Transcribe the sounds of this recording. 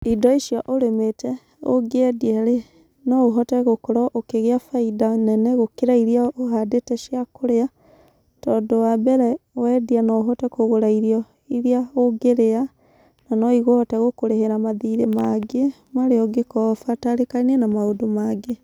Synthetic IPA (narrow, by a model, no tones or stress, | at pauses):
idɔiʃjɔʔoɾemetɛ | oɡeɛdiɛɾe | nɔoɦɔtɛɣokoɾɔʔokeɣeafaidanɛnɛɣokeɾaiɾiaoɦadetɛʃjakoɾea | tɔːdowabɛɾɛwɛdianɔoɦɔtɛkoɣoɾaiɾiɔ | iɾiaoɡeɾea | nanɔiɣohɔtɛɣokoɾeheɾamaðiɾemaɡe | mwaɾeɔɡekɔfataɾekaniɛnamaodomaɡe